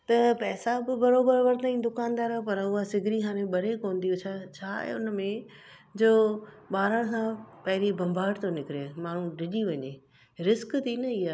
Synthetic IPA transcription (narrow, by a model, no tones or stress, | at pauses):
t̪ɐpɛːsabɪbɐɾoːbəɾʋəɾt̪aːĩd̪ʊkaːnd̪aːɾɦopɐɾʊɦasɪɡʱɪɾiɦaːɾ̃ẽɓɐɾekoːn̆d̪ijot͡ɕʰat͡ɕʰa̰ːʊnmẽ | d͡ʑoː | ɓaːɾəɽ̃sãpɐɦɪɾibɐ̃mbʱaːɽt̪onɪkɪɾemaːɽ̤̃ũɖʱɪʄiʋɐɲe | ɾɪskt̪ʰinɐiɦaː